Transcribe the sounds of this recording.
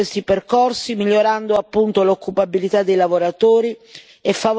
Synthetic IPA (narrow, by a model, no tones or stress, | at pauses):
est̪iperkorsimiʎːoɾand̪oapːunt̪olokʰːupabilit̪ad̪ːejlavoɾat̪oːɾi | efːav